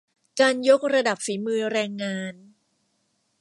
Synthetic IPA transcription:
kaː˧njo˦˥k̚ɾa˧da˨˩p̚fiː˩˦mɯː˧ɾɛː˧ŋːaː˧n

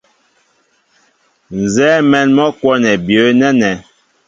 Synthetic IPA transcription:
n˨zɛː˦mɛ˦nmɔ˦kwɔ˦nɛ˨bjə˨˦nɛ˦nɛ˨

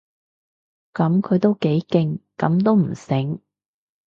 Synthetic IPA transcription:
kɐ˨˥mkʰɵ˨˧ɥt̪o˥wke˨˥jkɪ˧ŋkɐ˨˥mt̪o˥wm̩˨˩sɪ˨˥ŋ

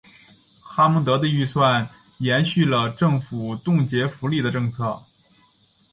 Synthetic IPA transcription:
xa˥mɤ˧˥ŋt̪ɤ˧˥d̪ə˧y˥˧swa˥˩n | jɛ˧˥nɕy˥˩lə˩ʈ͡ʂɤ˥˩ŋfu˨˩t̪ʊ˥˩ŋt͡ɕjɛ˧˥fu˧˥li˥˩d̪ə˩ʈ͡ʂɤ˥˧ŋt͡sʰɤ˥˩

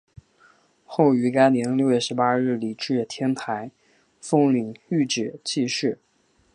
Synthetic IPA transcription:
xo˥˩ʊy˧˥ka˥ɪnjɛ˧˥nljo˥˧ʊɥɛ˥˩ʂɻ̩˧˥pa˥ɻɻ̩˥˩li˨˩ʈ͡ʂɻ̩˥˩t̪ʰjɛ˥nt̪ʰa˧˥ɪ | fɤ˥˧ŋly˨˩ŋy˥˩ʈ͡ʂɻ̩˨˩t͡ɕʰi˥˧ʂɻ̩˥˩

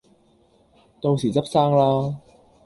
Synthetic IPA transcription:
t̪o˧wsiː˨˩t͡sɐ˥p̚saː˥ŋlaː˥

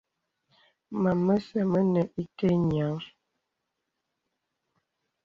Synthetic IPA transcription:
ma˨mə˦sɛ˨mə˦nə˨ʔi˦te˦ɲ˨a˨˦

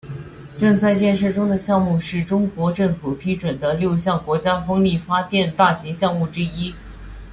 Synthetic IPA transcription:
ʈ͡ʂɤ˥˧ŋt͡sa˥˧ɪt͡ɕjɛ˥˧nʂɤ˥˩ʈ͡ʂʊ˥ŋd̪ə˨ɕjɑ˥˧ŋmu˥˧ʂɻ̩˥˩ʈ͡ʂʊ˥ŋkwɔ˧˥ʈ͡ʂɤ˥˩ŋfu˨˩pʰi˥ʈ͡ʂwə˨˩nd̪ə˦ljo˥˧ʊɕjɑ˥˩ŋkwɔ˧˥t͡ɕja˥fɤ˥ŋli˥˩fa˥t̪jɛ˥˧nt̪a˥˩ɕi˧˥ŋɕjɑ˥˧ŋmu˥˩ʈ͡ʂɻ̩˥i˥

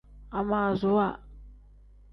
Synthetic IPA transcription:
a˨ma˨zu˦wa˦˨

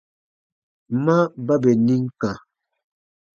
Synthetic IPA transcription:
mã˦ba˦bɛ˨ni˦ŋ˦kã˨

